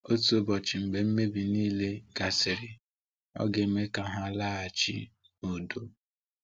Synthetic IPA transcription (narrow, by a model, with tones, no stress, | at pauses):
o˦tu˦o˨bɔ˨t͡ʃɪ˨m̩˨be˨m̩˦me˦bi˨niː˦le˦ɡ̥a˨sɪ˨ɾɪ˨ | ɔ̰˦ɡe˨˦me˦ka˨ɦa˦˨la˦a˨t͡ʃḭ˦ | o˨do˦